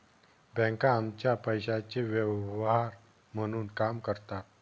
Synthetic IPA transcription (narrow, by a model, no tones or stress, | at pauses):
bɛ̃ŋkãːmt͡ɕjapəjɕat͡ɕeʋəʋʋaɾ | m̤əɽ̃uːnkamkəɾt̪a